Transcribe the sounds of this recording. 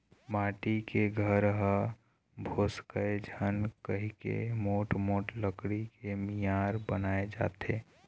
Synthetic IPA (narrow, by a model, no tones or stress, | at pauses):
maːʈikeɡʱəɾɦə | bʱoːskəed͡ʒʱənkəɦikḛmoːʈmoːʈləkɽikemijaːɾbənaːed͡ʒa̰ːt̪eː